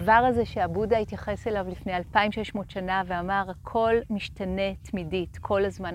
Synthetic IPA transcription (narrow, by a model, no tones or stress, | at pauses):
vaʁazeʃeabudaitjaχe̞selavlifne̞jalpaimʃe̞ʃmo̞tʃanaveamaʁhakʰo̞lmiʃtane̞tmiditkʰo̞lazma